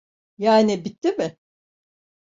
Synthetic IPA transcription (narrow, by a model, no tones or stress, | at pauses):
jaːnɪbit̪ʰːimɪ